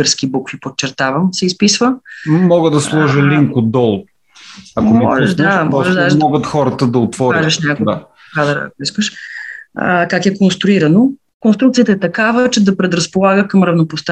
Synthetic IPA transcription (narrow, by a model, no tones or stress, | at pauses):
əɾsk̟ibukfipot͡ʃːɛɾt̪avɐmsɛispisvəmɔɡəd̪ɐslˠɔʒəliŋkod̪ɔlˠ | ɐkonɛɔ̰ʒɛʒd̪amɔʒɛʃd̪amɔɡət̪xɔɾət̪əd̪ɐot̪vɔɾaʒɛʃnʲako | kad̪ɾəɐ̰koiskəʃ | ə̰kakɛkonst̪ɾʊiɾɐno | konst̪ɾukt̪sijət̪əɛt̪ɐkavət͡ʃɛd̪ɐpɾɛd̪ɾɐspolˠaɡəkɐmɾɐvnopost̪a